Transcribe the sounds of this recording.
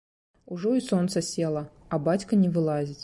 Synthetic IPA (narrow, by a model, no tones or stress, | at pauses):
uʐɔisɔnt̪sɐsʲɛlˠɐ | ɐbat͡sʲkɐnʲɛvɨlˠazʲit͡sʲ